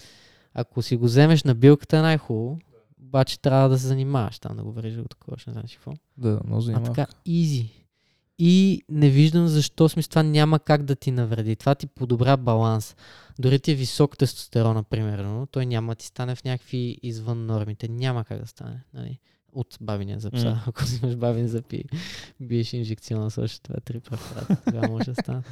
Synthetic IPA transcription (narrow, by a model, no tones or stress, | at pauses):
ɐ̰kosiɡozɛmɛʃnɐbilˠkə̥t̪ənajxulˠoː | bat͡ʃɛ̥t̪ɾʲavəd̪ɐs̬ɛzɐnimavə̰ʃt̪a̰md̪ɐ̰ɡovɛɾiʒd̪ɡʊt̪ɐ̥kʰɔvɐ̰ʃɛnɛ̰za̰mt͡ʃi̥kvɔ̰ | d̪anɔ̰zɐt̪ka | izi | inɛviʒd̪əmzɐʃt̪ɔsmʲist̪ovanʲaməkaɡd̪ɐt̪inɐvɾɛd̪it̪ovat̪ipod̪obɾʲabɐlˠans | d̪ʊɾit̪iɛvisɔkt̪ɛst̪o̥st̪ɛɾɔnɐpɾimɛɾnot̪ɔjnʲamɐd̪ɐt̪i̥st̪anɛfnʲakəkviːzvɤnːɔɾmit̪ɛnʲamɐka̰ɡ̚d̪ɐst̪a̰nɛnɐ̰lḭ | ot̪babinḭə̰zɐpsa̰ɐkʊzimɐʃbabinzɐpḭbiɛʃinʒɛkt̪siɔnəsɔ̰ʃɛ̥t̪va̰ɛt̪ɾipɾɛpɐɾa̰t̪ɡamɔʒɛd̪ɐst̪anət̪